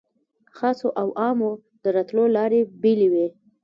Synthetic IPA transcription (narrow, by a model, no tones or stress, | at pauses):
xɑsoʔawʔɑmo | d̪̥əɾat̪lolɑɾebiliwe